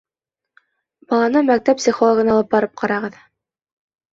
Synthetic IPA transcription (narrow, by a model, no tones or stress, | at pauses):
b̥ɑlˠɑnɤmæk̚t̪æpsʲiχolˠoɡɤ̆nɑlˠɤp̚bɑɾɤp̚qʰɑɾɑʁɤð